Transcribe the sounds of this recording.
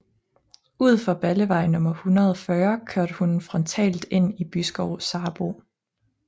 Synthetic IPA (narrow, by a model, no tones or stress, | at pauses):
uð̞̰ˠfɒ̽b̥æləʋɑ̈ɪ̰nɔ̽mɐhunʁɐðˠɒfɶːɐkʰøɐ̰d̥əhunfʁɒ̽nt͡sʰɛ̰ːld̥e̝n̰ib̥ysɡ̥ɒʊ̰sɑ̈ːb̥o̝̰